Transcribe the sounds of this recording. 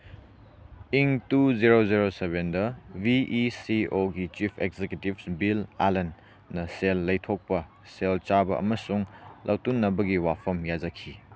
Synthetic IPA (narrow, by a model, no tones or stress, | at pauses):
iŋtuziɾoziɾoseβendɐbiʔisioɡit͡ʃipʰekzekjutibsbila̰lɐnː | ɐselːɐjtʰok̚pɐ | selt͡ʃabɐʔɐ̰mɐsuŋlʔawtunːɐbɐɡiwapʰɐmjad͡ʒɐkʰi